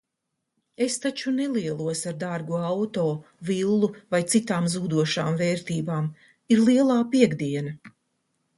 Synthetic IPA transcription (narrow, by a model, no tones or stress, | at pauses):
e̞st̪at͡ʃuneliɛlˠuɔsaɾd̪aɾɡuawt̪oːvilˠːuvajt̪sit̪aːmzuːd̪uɔʃaːmveːɾt̪iːbaːm | iɾlˠiɛlˠaːpiɛɡd̪iɛnɐ